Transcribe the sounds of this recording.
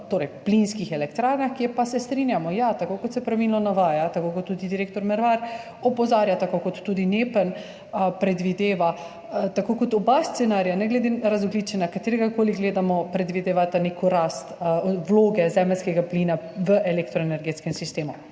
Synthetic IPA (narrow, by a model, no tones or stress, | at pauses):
t̪oːɾɛjplinskixɛlɛkt̪ɾaːɾnaxkiɛpasɛst̪ɾinjamɔjat̪akokɔt̪sɛpɾaʋilnɔnaʋaːjat̪akokɔt̪ːud̪id̪iɾeːk̚t̪ɔɾmɛɾʋaɾ | ɔpɔzaːɾjat̪akokɔt̪ːuːd̪inepən | əpɾɛd̪ʋid̪eːʋa | t̪akokɔt̪ɔbast̪sɛnaɾjanɛɡlɛd̪eɾazɔɡlit͡ʃɛnakat̪eːɾɛɡakoliɡleːd̪amɔpɾɛd̪ʋid̪eːʋat̪anekɔɾast̪wloːɡɛzɛməlskɛɡaplinaʋəʔɛlekt̪ɾɔenɛɾɡeːt̪skɛmsist̪eːmu